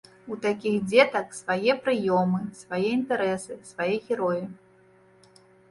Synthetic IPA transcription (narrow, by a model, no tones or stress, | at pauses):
ut̪akʲixd͡zʲɛt̪ɐksvajɛpɾɨjɔmɨsvajɛint̪ɛɾɛsɨsvajɛɣʲɛɾɔji